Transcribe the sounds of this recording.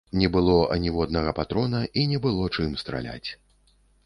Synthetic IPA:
nʲɛbɨlˠɔʔɐ̰nʲivɔd̪̚nɐɣɐpat̪ɾɔnɐinʲɛbɨlˠɔt͡ʂɨmst̪ɾa̰lʲa̰t͡sʲ

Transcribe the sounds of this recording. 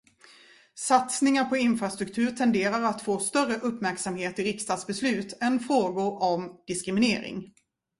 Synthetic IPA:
sat̪snɪŋaɾpʰɔɪnfɾast̪ɾɵkt̪ʰʉ̟ːɾʈ̪ʰɛnd̪eːɾaɾat̪foːst̪œrəʔɵpːmæɾksamheːt̪ɪɾɪkst̪ɑːd̪sbɛslʉ̟ːt̪ɛnfɾoːɡʊɾɔmd̪̥ɪskɾɪmɪneːɾɪ̰ŋ

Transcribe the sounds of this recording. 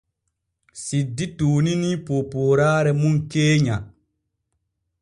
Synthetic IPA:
sidːituːninipoːpoːɾaːɾɛmuŋkeːɲa

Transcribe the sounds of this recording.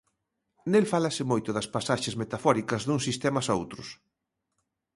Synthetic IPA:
nelfalɐsɪmojt̪ʊðɐspasaʃɪzmet̪afɔɾikɐzðuŋsist̪ɛmɐsaowt̪ɾʊs

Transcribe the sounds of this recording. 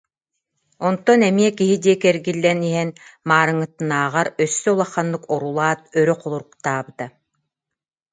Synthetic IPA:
ɔnt̪ɔnɛmiɛkiɦid̪iɛkɛɾɡilːɛniɦɛnmaːɾɯŋɯt̪ɯnaːʁaɾœsːœulˠaχːanːɯkɔɾulˠaːt̪̚œɾœqɔlˠuɾukt̪aːbɯt̪a

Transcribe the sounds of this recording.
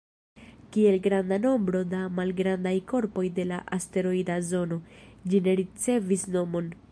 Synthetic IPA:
kie̞lɡɾandano̞mbɾo̞damalɡɾandajko̞ɾpo̞jde̞laʔaste̞ɾo̞idazo̞no̞d͡ʒine̞ɾit͡se̞visno̞mo̞n

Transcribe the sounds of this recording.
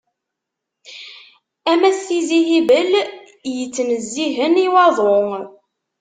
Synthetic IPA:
æmæsθiziɦibəl | jət͡sːnəzːiɦəniwɑðˤo

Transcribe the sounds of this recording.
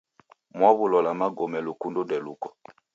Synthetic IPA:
mwaβulɔlamaɡɔmɛlukundundɛlukɔ

